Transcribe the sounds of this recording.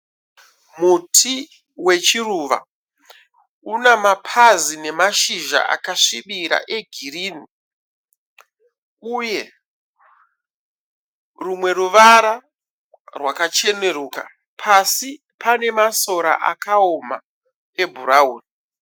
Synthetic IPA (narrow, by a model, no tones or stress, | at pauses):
mutʰi | we̞t͡ʃiruːʋa̰ | unamapʰazine̞maʃiʒa̰ʔa̰kaʂiɓiɾa̰ʔe̞ɡʱiriːni | uje̞ | rumwe̞ɾuʋaɾa | rwakat͡ʃe̞ne̞ɾuːka̰ | pʰasi | pʰane̞maso̞ɾa̰ʔa̰kaoma | e̞bʱuɾauːni